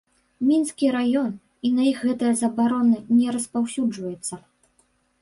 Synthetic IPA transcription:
mʲinskʲiɾajɔn | inɐjixɣɛt̪ɨjɐzɐbaɾɔnɨnʲɛɾɐspawsʲud͡ʐvɐjɛt̪sːɐ

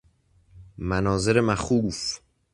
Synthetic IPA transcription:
mænɒːzeɾemæxuːf

